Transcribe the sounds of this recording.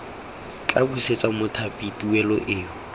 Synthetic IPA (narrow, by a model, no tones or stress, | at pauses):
t͡ɬʼabuset͡sʼamʊtʰapʼitʼuwɛlɔʔeːʊ